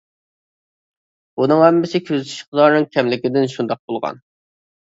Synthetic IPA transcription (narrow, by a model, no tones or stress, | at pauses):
unɨŋhɛmːɪsɪkʲʰøzt̪ʰy̥ʃqɨd̪ɑɾnɨŋkʲʰɛmlɪkʲɪd̪ɪnʃund̪ɑq̚bolˠʁɑ̰n